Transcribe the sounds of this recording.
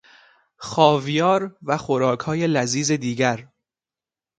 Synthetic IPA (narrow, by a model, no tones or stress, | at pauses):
xɒːvijɒːɾvæxoɾɒːkʰhɒːje̞læziːze̞d̪iːɟæɾ